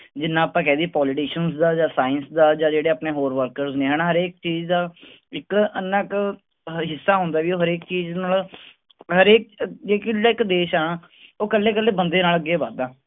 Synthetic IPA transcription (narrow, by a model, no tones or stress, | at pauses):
d͡ʒɪnːãːaːpãːkɛ̃ːd̪iːpɔːlɪʈiːʃənsd̪aːd͡ʒaːsaːənsd̪aːd͡ʒaːd͡ʒeːɽeːaːpneːɦoːɾʋəɾkəɾznẽːɦəːnaːɦəɾeːkt͡ʃiːd͡ʒd̪aː | ɪkənːaːk | ɦɪsːaːɦʊ̃ːnd̪aːʋiːoːɦəɾeːkt͡ʃiːd͡ʒnaːl | ɦəɾeːk̚d͡ʒeːkɪaːɪkd̪eːʃaːɳaː | oːkəlːeːkəlːeːbənd̪eːnaːləɡeːbaːd̪aː